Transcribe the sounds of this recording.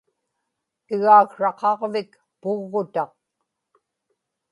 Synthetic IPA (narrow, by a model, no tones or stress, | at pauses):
ɪɣaːkʂɑqɑʁvɪk | pʊɣːʊt̪ɑq̚